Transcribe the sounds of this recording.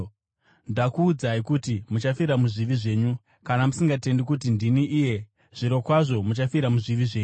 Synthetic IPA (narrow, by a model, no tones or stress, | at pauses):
ndakuːd͡zaikutimut͡ʃafiɾamuʐiʋiʐe̞ːɲu | kanamusiŋɡate̞ndikutindiniʔije̞ | ʐ̥iɾo̞kwaʐo̞mut͡ʃafiɾamuʐiʋiʐe̞ːɲu